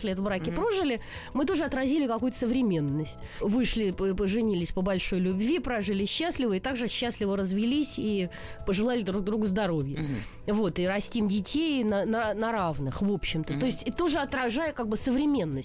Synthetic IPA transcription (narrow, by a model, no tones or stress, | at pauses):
slʲeɛt̪vbɾakʲɪpɾo̞ʐɨlʲɪ | mɨt̪̬o̞ʐɨɐt̪ɾɐzʲilʲɪkɐkujʊt̪ə̥səvɾʲɪmʲe̞nːəsʲtʲ | vɨʂlʲɪpəʐɨnʲilʲɪsʲpəbɐlʲʂo̞jlʲʊbvʲipɾaʐɨlʲɪɕːasʲlʲɪvəɪt̪aɡʐɨɕːasʲlʲɪvəɾəzvʲɪlʲisʲi | pəʐɨlˠalʲɪd̪ɾuɡ̚d̪ɾuɡʊzd̪ɐɾo̞vʲjə | vo̞t̪ɨɾɐsʲtʲimdʲɪtʲejnənnɐɾavnɨxvo̞pɕːɪmt̪ət̪o̞ɪsʲtʲt̪oʐɨɐt̪ɾɐʐajəkaɡ̚bɨsəvɾʲɪmʲe̞nːəsʲ